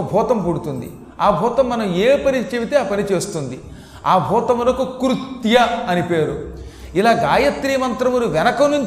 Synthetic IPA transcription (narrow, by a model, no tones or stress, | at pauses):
bʱuːt̪ɐmpuɽut̪und̪ḭ | aːbʱuːt̪ɐmːɐnɐmeːpɐnit͡ʃebit̪eaːpɐnit͡ʃe̞ːst̪und̪i | aːbʱuːt̪ɐmuloːkukɾut̪ːjɐɐnipe̞ːɾu | ilaːɡaːjɐt̪ɾiːmɐnt̪ɾɐmuɾuʋɛnɐkɐmnuɲt͡ʃ